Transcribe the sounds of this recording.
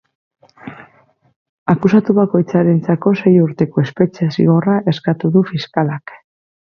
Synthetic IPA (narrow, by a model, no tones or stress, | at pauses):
akusat̪uβako̞jt͡saɾe̞nt͡sako̞se̞juɾt̪e̞ko̞e̞spe̞t͡ʃe̞sḭɣo̞raʔe̞skat̪uðufiskalak